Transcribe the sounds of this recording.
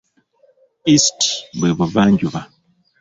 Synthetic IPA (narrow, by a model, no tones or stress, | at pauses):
isti̥bweβuvaːɲɟuβa